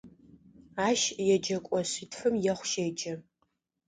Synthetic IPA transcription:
aːʃjɛd͡ʒɐkʷʼɔɕitʰfɨmjɛχʷʃed͡ʒɐ

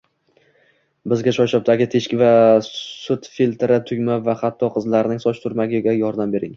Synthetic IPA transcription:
bɪzɡʲaʃɒʃɒp̚t̪aɡʲɪt̪ʰe̞ʃkʲɪvasʊt̪filt̪ɾɪt̪ʰʊɡʲmavaχat̪ʰːɒqʰɨzlaɾnɪŋsɒt͡ʃt̪ʰʊɾmaɡʲɪɡʲajɒɾd̪ambe̞ɾɪŋ

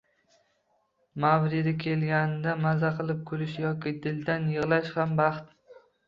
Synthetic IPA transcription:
mawɾɪd̪ɪkʲʰe̞lɡʲand̪amazaqʰɨlˠɪp̚kʰʊɾɪʃjɒkʲɪd̪ɪld̪anjɨʁlˠaʃhambɑχt̪

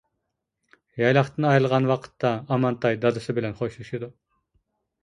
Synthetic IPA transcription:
jɑjlˠɑχt̪ʰɨnɑjlˠʁɑnwɑqʰə̥t̪ːɑːmɑnt̪ɑjd̪ɑd̪ɨsɨbɪlɛnχoʃlˠuʃud̪u

